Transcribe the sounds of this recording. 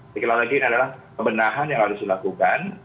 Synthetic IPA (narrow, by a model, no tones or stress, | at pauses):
sikilalaɡinadalah | əmbənaɦanjaŋlalʊsdilakukan